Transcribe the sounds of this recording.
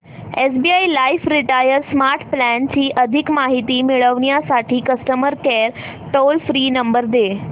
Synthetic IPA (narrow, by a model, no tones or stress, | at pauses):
esbiːailaifɾiʈajəɾsmaɾʈʰplænt͡ɕiːʔəd̪ʱikmaɦit̪iːmiɭəʋɳjasaʈʰiːkəsʈəməɾkɛɾ | ʈolfɾiːnəmbəɾd̪e